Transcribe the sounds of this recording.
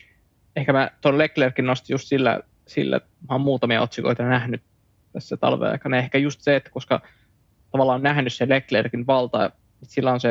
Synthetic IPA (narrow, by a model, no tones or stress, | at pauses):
ehkæmæt̪onleklerkinnost̪ijust̪silːæ̰ | sḭlːæ̰ | mæommuːt̪ɑmiɑot̪siko̰it̪ɑnæhnyt̪ | t̪æsːæt̪ɑ̰lʋḛɑ̰ikɑnɑehkæjust̪seet̪ːæ̥koskɑ̰ | t̪ɑʋɑlːˑɑːonnæhnysseleklerkinʋɑlt̪ɑ | ut̪silːæonse